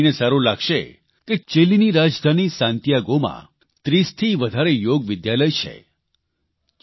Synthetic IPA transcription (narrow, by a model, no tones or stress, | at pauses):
nesaɾulaɡʃe | ket͡ʃeliniɾad͡ʒd̪ʱanisãnt̪jaɡomã̰ | t̪ɾist̪ʰiʋəd̪ʱaɾejoɡʋɪd̪jaləjt͡ʃʰḛ